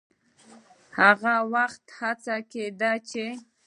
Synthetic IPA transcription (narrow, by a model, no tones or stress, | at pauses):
haɣawaxt̪hat͡saked̪at͡ʃe